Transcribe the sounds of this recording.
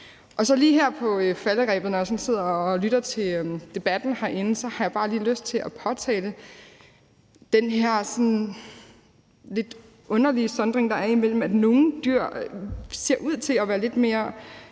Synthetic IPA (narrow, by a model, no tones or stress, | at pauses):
ʔɒ̽sɒ̽liːɦæɐ̰pʰɒ̽fæləʁɛ̰ːb̥ð̩ˠnɒjɑ̈sɒ̽nse̝ð̞̰ˠɐlyɾ̥ɐt͡sʰe̝lød̥e̝b̥æd̥n̩hɑ̈ʔe̝nəsɒ̽hɑ̈jb̥ɑ̈ːliːløsd̥̚t͡sʰe̝ʔæpʰɒ̽t͡sʰɛ̰ːlə | d̥enɦeɐ̰sɒ̽n | le̝d̥ | ʔɔ̽nɐlisɒ̽nd̥ʁeŋd̥ɑ̈æɐimel̰m̩æd̥no̝ːn̩d̥yɐ̰se̝ɐ̰ʔuð̰ˠt͡sʰe̝læʋæːɐle̝d̥me̝ːɐ